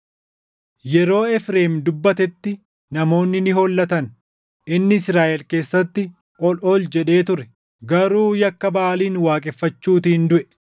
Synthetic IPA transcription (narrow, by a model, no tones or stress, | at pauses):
jɛɾo̞ːɛfɾeːmd̪ʊbːɐt̪ɛt̪ːɪ | nɐmo̞ːnːɪnɪɦɔlːɐt̪ɐn | ʔɪnːɪɪsɾaːʔɛlke̞ːsːɐt̪ːɪ | ʔɔlɔld͡ʒɛᶑe̞ːt̪ʊɾɛ | ɡɐɾuːjɐkːɐbaːliːnwaːkʼɛfːɐt͡ʃːuːt̪iːnd̪ʊʔɛ